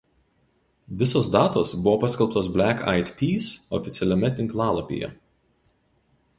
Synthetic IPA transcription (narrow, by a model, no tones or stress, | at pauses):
ʋʲɪsoːsd̪ɑːt̪oːsbʊʋopɐsʲkʲɛlˠpt̪oːsbʲlʲæka̰ɪt̪pʲiːsɔ̰fʲɪt̪sʲɛlʲɛmʲɛt̪ʲɪŋklˠɑːlˠɐpʲḛːjɛ̰